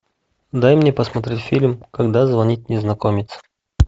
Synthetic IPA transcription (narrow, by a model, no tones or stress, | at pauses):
d̪ajmnʲepəsmɐt̪ɾʲetʲfʲilʲmkɐɡd̪azvɐnʲit̚ʲnʲɪznɐkomʲɪt̪sə̥